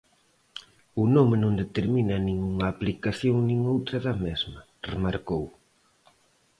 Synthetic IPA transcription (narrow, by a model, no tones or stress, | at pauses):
ʊnomenõŋd̪et̪eɾminɐnĩŋuŋɐːplikaθjoŋnĩŋowt̪ɾɐðɐmezmɐ | remaɾkow